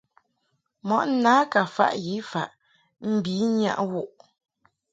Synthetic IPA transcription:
mɔ˨ʔn˦naː˨˦ka˨fa̰˦ʔji˨˦fa˦˨ʔ | m̩˦˨bi˨˦ɲa̰˦˨ʔwu˦˨ʔ

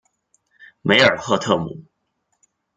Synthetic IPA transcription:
me˧˥ɪə˞˨˩xɤ˥˧t̪ʰɤ̰˥˩mṵ˨˩˦

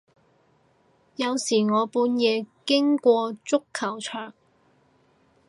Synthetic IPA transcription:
jɐ˨˧wsiː˨˩ŋɔː˨˧puː˨˧njɛː˨˧kɪ˥ŋkʷɔː˧t͡sʊ˥kʰːɐ˨˩wt͡ʃʰœː˨˩ŋ

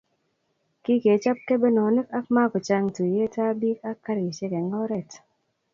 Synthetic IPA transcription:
ki˦ke˨˦t͡ʃa˦p̚ke˦be˦nɔ˨˦ne˦ka˦k̚ma˦kɔ˨t͡ʃa˦ŋtu˨je˦ta˦bi˦ka˦ka˦ɾi˨t͡ʃe˦ke˨ŋɔ˦ɾɛ˨t

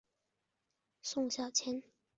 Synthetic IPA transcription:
sʊ˥˧ŋɕjɑ˥˨˩ʊt͡ɕʰjɛ˥n

